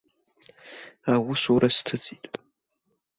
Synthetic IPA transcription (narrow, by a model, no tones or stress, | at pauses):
awʊsuɾastʰɨt͡sʼitʼ